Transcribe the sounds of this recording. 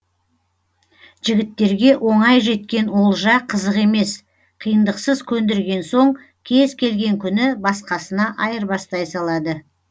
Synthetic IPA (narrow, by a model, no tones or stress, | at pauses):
ʒɪɡʲɪt̪ːe̞ɾɡʲe̞ʔwʔo̞ɴɑjʒe̞t̪̚kʲe̞nwo̞lˠʒɑqʰəzəqe̞me̞s | qʰijənd̪əqsəzkʲʰɵnd̪ɪɾɡʲe̞nso̞ɴ | kʲʰe̞zkʲʰe̞lɡʲe̞ŋkʲʰʏnɪbɑsqɑsənɑʔɑjəɾbɑst̪ɑjsɑlˠɑd̪ə